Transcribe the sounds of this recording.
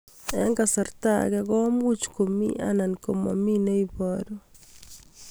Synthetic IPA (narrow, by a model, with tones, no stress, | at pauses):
ɛ˦ŋɡa˨sa˨ɾt̪a̰˦ɡɛɡɔ˦mu˦t͡ʃko˨mḭ˦ʔa̰˦na˨nko˨ma̰˨mi˦ne˦i˦bɔɾo˦